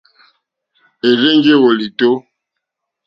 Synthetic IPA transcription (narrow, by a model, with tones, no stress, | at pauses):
e˨ze˦ŋ˦ɡe˦wo˨li˨to˦